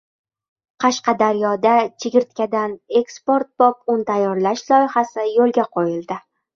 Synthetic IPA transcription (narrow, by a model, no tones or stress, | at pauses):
qʰɑʃqɑd̪aɾjɒd̪at͡ʃʰeɡʲɪɾt̪̚kʲad̪anekspo̞ɾt̪̚b̥ɒpʊnt̪ʰajːɒɾlaʃlˠɒjɪχasɪjolˠɡʲaqʰojɪld̪ɪ